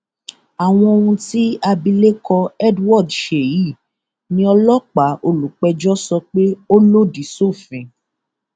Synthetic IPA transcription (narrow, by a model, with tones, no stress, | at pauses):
a˨w̃ɔ̃˧o˧hũ˧ti˦a˧bi˧le˦kɔ˧ɛ˦dwɔ˦˨dʃe˨ji˦˨ | nĩ˧ɔ˧lɔ˦k͡pa˨˦ʔo˧lu˨k͡pɛ˧d͡ʒɔ˦sɔ˧k͡pe˦o˦lo˦di˨so˦˨fĩ˨